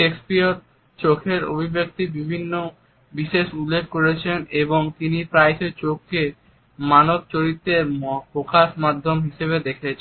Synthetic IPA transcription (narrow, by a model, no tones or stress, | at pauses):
ʃekspioɾ | t͡ɕokʰeɾo̰bʱibek̚t̪ibibʱinːo | biʃeʃulːekːoɾet͡ɕʰeneboŋt̪inipɾajʃet͡ɕokːe | manob̚t͡ɕoɾit̪ːeɾpɾokaʃmad̪ʱːomɦiʃeβed̪ekʰet͡ɕʰ